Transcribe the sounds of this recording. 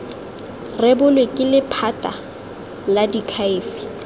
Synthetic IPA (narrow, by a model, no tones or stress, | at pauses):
rɛbʊlwekʼɪlɪpʰatʼa | ladikʰaɪːfi̥